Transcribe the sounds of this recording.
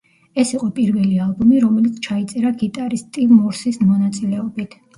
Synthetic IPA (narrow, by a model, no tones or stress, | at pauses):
ɛsiqʼɔpʼiɾvɛlialˠbumiɾɔmɛlit̪sʰt͡ʃʰait̪sʼɛɾaɡit̪ʼaɾist̪ʼivmɔɾsismɔnat̪sʼilɛɔbit̪ʰ